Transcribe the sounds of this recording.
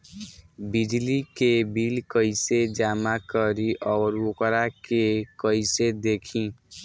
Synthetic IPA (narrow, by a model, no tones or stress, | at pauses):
bidlikebilkʌjsed͡ʒamakʌɾiʔʌɾuokɾakekʌjsed̪ekʰĩ